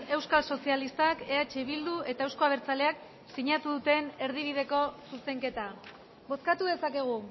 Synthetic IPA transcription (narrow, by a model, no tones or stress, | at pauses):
e̞wskalso̞sialist̪ake̞at͡ʃe̞βild̪ue̞t̪ae̞wsko̞aβ̞e̞ɾt͡sale̞ak | siɲat̪uðut̪e̞ne̞ɾð̞iβ̞iðe̞ko̞suse̞ŋke̞t̪a | bo̞skat̪uðe̞sake̞ɣ̞u